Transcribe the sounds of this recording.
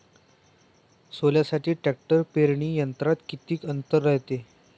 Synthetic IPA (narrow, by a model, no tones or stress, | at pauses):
soljasaʈiːʈɛk̚ʈəɾpeɾɳiːjənt̪ɾat̪kit̪iːkənt̪əɾːəɦjt̪e